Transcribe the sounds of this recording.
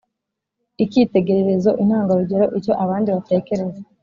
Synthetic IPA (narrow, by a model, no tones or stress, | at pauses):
icite̞ɡe̞ɾeɾe̞zo̞ʔin̥haːŋɡaɾuɟe̞ɾo̞ʔico̞ʔaβaːndiβate̞ːke̞ɾe̞ze